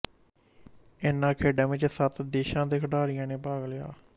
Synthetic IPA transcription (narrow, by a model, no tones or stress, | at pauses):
ɪnːãːkʰeːɖãːʋɪt͡ʃsət̪d̪eːʃãːd̪eːkʰɖaːɾɪjãːneːpaːɡlɪja̰ː